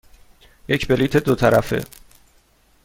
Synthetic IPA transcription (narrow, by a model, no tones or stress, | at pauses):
jecbe̞liːt̪ʰe̞d̪ot̪ʰæɾæfḛ